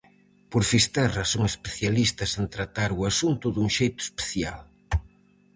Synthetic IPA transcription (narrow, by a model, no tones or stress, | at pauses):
poɾfist̪ɛrɐsoŋespeθjalist̪ɐsent̪ɾat̪aɾuasunt̪ʊðuŋʃejt̪ʊ̥e̥spe̥θja̰l